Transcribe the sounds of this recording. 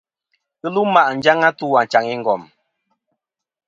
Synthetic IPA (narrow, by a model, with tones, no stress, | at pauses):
kɨ˦lu˦ma˦ʔn̩˦d͡ʒa˦ŋa˦tu˦a˨n˨t͡ʃa˨ŋi˦ŋ̩˦ɡɔ˨m